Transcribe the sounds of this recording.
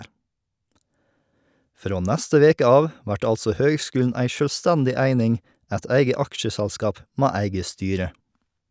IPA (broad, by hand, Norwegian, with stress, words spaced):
ˈfɾoː ˈnæstə ˈʋeːkə ˈɑːʋ ˈʋæʈ ˈɑlsɔ ˈhøːɡˌskʉːln̩ ˈʔæɪ ˌʃœlˈstændɪ ˈæɪnɪŋ ˈæɪt ˈæɪɡə ˈɑkʃəsælˌskɑːp ˈmeː ˈæɪɡə ˈstyːɾə